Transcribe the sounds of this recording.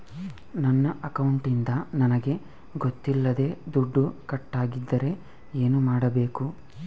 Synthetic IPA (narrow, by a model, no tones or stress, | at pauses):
nɐnːɐʔɐkɐwuɳʈind̪ɐnɐnɐɡe̞ | ɡot̪ːilːɐd̪e̞ːd̪uɖːukɐʈːaːɡid̪ːɐɾe̞ | e̞ːnumaːɽɐbe̞ːku